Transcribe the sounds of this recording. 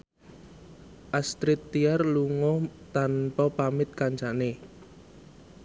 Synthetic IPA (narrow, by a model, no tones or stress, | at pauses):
ʔast̪ɾɪt̪ːiarluŋɔt̪anpɔpamɪt̪̚kant͡ʃane